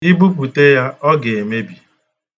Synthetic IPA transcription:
i˦bu˦p̬u˨te˦ja˦ɔ˦ɡe˨e˨me˦bi˨

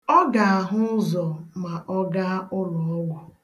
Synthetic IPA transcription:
ɔ˦ɡa˨a˨ɦʊ˦zɔ˨ma˨ʔɔ˦ɡa˦ʊ˦lɔ˨ɔ˦wɔ˨

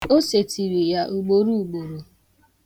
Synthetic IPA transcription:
o˦se˨ti˨ɾi˨ja˨ʔu˨ɡ͡bo˨ɾu˦u˨ɡ͡bo˨ɾo˨

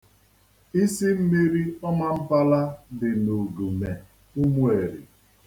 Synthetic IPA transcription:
i˦si˦m̩˦mi˦ɾi˦ɔ˦ma˦m̩˦pa˦la˦dɪ˨no˨ɡu˨me˨ | u˦mu˦e˨ɾḭ˨

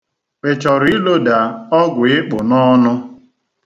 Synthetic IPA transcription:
k͡pe˨t͡ʃɔ˨ɾi˦lo˦da˨ɔ˦ɡʷʊ˨ɪ˦k͡pʊ˨nɔ˦nʊ˦

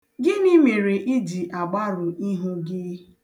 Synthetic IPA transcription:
ɡɪ˦ni˦me˨ɾe˨ʔi˦di˨ʔa˨ɡ͡ba˦ɾʊ˨ʔi˦ɦʊ˦ɡɪ˦

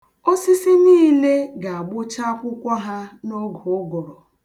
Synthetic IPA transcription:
o˦si˦si˦niː˦le˦ɡa˨a˨ɡ͡bʊ˦t͡ʃa˦kʷʊ˦kʷa˦ɦa˦no˦ɡɔ˨ʊ˦ɡɔ˨ɾɔ˨

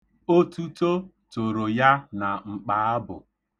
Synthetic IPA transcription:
o˦tu˦to˦ | to˨ɾo˨ja˦na˨ŋ͡m̩˨k͡pa˨a˦bʊ˨

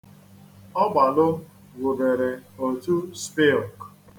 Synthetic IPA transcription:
ɔ˦ɡ͡ba˨lʊ˦ | ɡʷʊ˨be˨ɾe˨o˨tu˦spɪ˦ɔ˨k

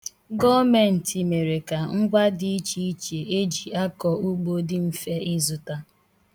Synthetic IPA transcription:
ɡɔ˦me˨n̩˨ti˨me˨ɾe˨ka˨ŋ̩˦ɡʷa˦dɪ˦i˦t͡ʃi˦i˦t͡ʃe˨e˦d͡ʒi˨a˦kɔ˨u˦ɡ͡bo˦dɪ˦m̩˨fe˦ɪ˦zʊ˨ta˦

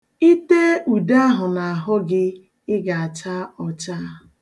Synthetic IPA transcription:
i˦te˦u˨da˦a˦ɦʊ˨na˨a˨ɦʊ˦ɡɪ˦ | ɪ˦ɡa˨a˨t͡ʃa˦ɔ˨t͡ʃa˦

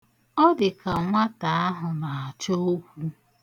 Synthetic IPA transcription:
ɔ˦dɪ˨ka˨ŋʷa˦ta˨a˦ɦʊ˨na˨a˨t͡ʃo˦o˦kʷu˦

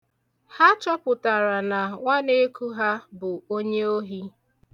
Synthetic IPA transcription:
ha˦t͡ʃɔ˦pʊ˨ta˨ɾa˨na˨ŋʷa˦ne˦ku˦ɦa˦bʊ˨o˦ɲe˦o˦ɦi˦

